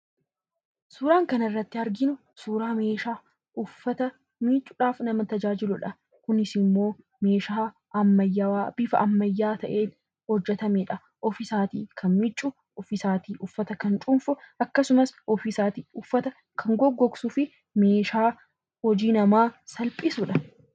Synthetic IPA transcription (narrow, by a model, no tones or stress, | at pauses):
suːɾaːŋkɐnɪrːɐt̪ːɪɐɾɡɪnʊ | suːɾaːme̞ːʃaː | ʔʊfːɐt̪ɐ | miːt͡ʃʼːʊᶑaːfnɐmɐt̪ɐd͡ʒaːd͡ʒɪlʊᶑɐ | kʊnɪsɪmːo̞ː | me̞ːʃaː | ɐmːɐjab̥ɪfɐʔɐmːɐjːaːt̪ɐʔe̞ːn | hɔd͡ʒːɛt̪ɐmeːᶑɐ | ʔɔfɪsaːt̪ḭːkʰɐnmɪt͡ʃʼːʊ | ʊfɪsaːt̪iːʔʊfːɐt̪ɐkɐnt͡ʃʼʊmfʊʔɐkːɐsʊmɐsɔfisaːt̪iːʊfːɐt̪ɐ | kʰɐŋɡɔɡːɔksufɪ | me̞ːʃaː | hɔd͡ʒiːnɐmaːsɐlpʼɪsʊᶑɐ